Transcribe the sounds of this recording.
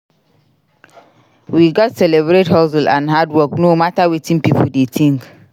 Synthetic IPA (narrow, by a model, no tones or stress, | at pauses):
wiɡɔtsɛlebɾethɔs̬lãnɦadwɔknomatawitʰĩnpipʰodetʰĩŋk